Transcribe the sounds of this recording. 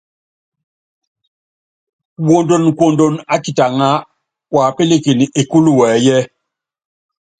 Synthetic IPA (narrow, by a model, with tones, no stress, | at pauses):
wo˨ndo˨nkwo˨ndo˨na˦ki˨ta˨ŋa˦ | wa˨pe˦le˦˨ke˨ni˨ʔe˨ku˦lu˦˨wɛː˨˦jɛ˦